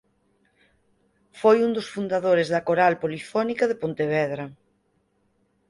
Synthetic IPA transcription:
fojund̪osfund̪aðoɾezðɐkoɾalpolifɔnikɐðepont̪eβɛðɾɐ

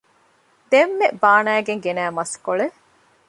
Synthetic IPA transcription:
d̪emːebaːnæːɡeŋɡenæːmɐskoɭe

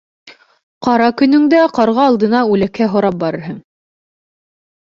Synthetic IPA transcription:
qɑɾɑkɵ̆nɵ̆ŋd̪æqɑɾʁɑːlˠd̪ɤ̆nɑʉlækːæɦŏɾɑp̚bɑɾɤ̆ɾɦɤŋ

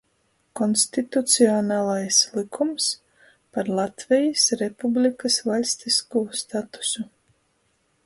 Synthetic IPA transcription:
kɔnst̪it̪ut̪siɔnaːlˠajslˠikʰums | paɾlˠat̪vɛjisɾepublʲikasvalʲst̪iskuːɔst̪at̪u̥su

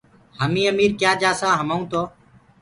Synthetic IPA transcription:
həmĩːəmiːɾkjaːd͡ʒaːsãːɦəməːũːt̪ʰoː

